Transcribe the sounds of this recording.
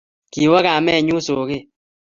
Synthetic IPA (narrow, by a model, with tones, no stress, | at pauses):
ki˨wa˦ka˨mɛ˦˨ɲu˦so˨kɪ˦